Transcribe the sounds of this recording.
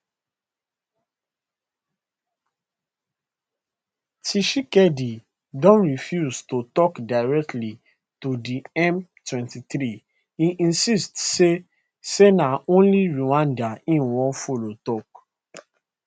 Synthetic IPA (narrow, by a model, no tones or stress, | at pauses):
tiʃikɛdi | dɔ̃nɹifjustotɔkdaɪɹɛk̚tli | tudiɛ̃mtwɛ̃ntiθɾi | iʔĩnsistse | senaõnliɹiwãndaĩnwɔ̃folotɔk̚